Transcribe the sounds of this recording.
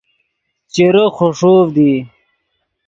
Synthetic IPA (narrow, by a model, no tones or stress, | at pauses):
t͡ɕeɾoxoʂoːfd̪i